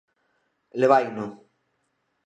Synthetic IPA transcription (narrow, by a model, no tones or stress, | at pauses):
leβajno